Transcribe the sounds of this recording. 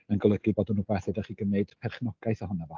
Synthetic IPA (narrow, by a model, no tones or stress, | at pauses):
ənɡɔlˠəɡɨbɔdɔnːuːbɛθədaχiːɡəmneɨd̥pʰɛrχnɔɡ̥aɨθahʊnavɔ